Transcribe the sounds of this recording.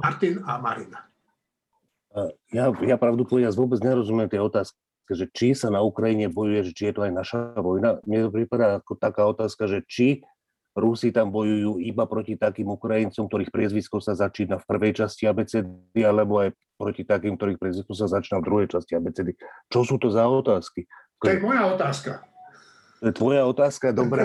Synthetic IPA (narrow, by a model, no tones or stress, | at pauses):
maɾt̪inamaɾina | jajapɾaʊd̪ut̪ʋɔjazʋʊɔbɛd͡zɲɛɾɔzumɛɛmt̪ɪjɛɔt̪aːsk | kɛʒɛt͡ʃisanaukɾajiɲɛbɔjujɛʒɛt͡ʃijɛt̪ɔajnaʃaʋɔjnamɲɛt̪ɔpɾipad̪aːkɔt̪akaːɔt̪aːskaʒɛt͡ʃi | ɾusit̪ambɔjujuːibapɾɔcit̪akiːmukɾajint͡sɔmkt̪ɔɾiːxpɾɪɛzʋiskɔsazat͡ʃiːnafpr̩ʋɛjt͡ʃasciabɛt͡sɛd̪ialɛbɔaj | pɾɔcit̪akiːmk̚t̪ɔɾiːxpɾɪɛzʋiskɔs̬azat͡ʃiːnavd̪ɾuɦɛjt͡ʃasciabɛt͡sɛd̪it͡ʃɔsuːt̪ɔzaɔt̪aːski | t̪ɔjɛt̪mɔjaɔt̪aːska | t̪ɔjɛt̪ʋɔjaɔt̪aːskad̪ɔbɾɛ